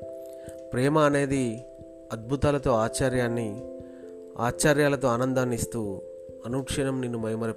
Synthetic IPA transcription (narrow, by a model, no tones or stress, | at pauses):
pɾɛːmɐːne̞ːd̪i | ɐd̪̚bʱut̪aːlɐt̪o̞ːaːt͡ʃaːɾjaːnːi | a̰ːt͡ʃaːɾjaːlɐt̪o̞ːaːnɐnd̪aːnːist̪uː | ɐnuːkʂɐɳɐmninːumɐjɐmɐɾɐ